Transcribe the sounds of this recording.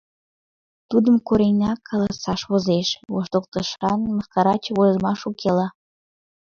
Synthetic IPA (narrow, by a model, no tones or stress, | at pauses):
t̪ud̪əmkoɾenʲɑkʰːɑlɑsɑʃβozeʃβo̰ʃt̪okt̪əʃɑnməxkɑɾɑt͡ɕβojzəmɑʃukʰelɑ